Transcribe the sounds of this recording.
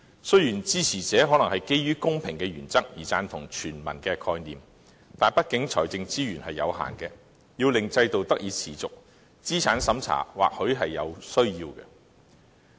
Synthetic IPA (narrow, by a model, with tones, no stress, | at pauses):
sɵ˥ɥjyː˨˩nt͡siː˥t͡sʰiː˨˩t͡sɛː˨˥ɦɔ˨˥nɐ˨˩ŋhɐ˨jke˥jːyː˥kʊ˥ŋpʰɪ˨˩ŋkɛ˧jyː˨˩nt͡sɐ˥k̚jiː˨˩t͡saː˧nt̪ʰʊ˨˩ŋt͡ʃʰyː˨˩nmɐ̰˨˩nkɛ˧kʰɔː˧jniː˨m | t̪aː˨˩npɐ˥t̚kɪ˨˥ŋt͡sʰɔ̰ː˨˩jt͡sɪ˧ŋt͡siː˥jyː˨˩nhɐ˨jːɐ̰˨˧wɦa̰ː˨˩nkɛ˧ | jiː˧wlɪ˨ŋt͡sɐ˧jt̪o˨wt̪ɐ˥k̚jiː˧t̚t͡sʰiː˨˩t͡sʊ˨k̚ | t͡siː˥t͡sʰaː˨˥nsɐ˨˥mt͡sʰa̰ː˨˩wa̰ː˨k̚hɵ˨˥ɥɦɐ˨jːɐ˨˧wsɵ˥ɥjiː˧wkɛ̰ː˧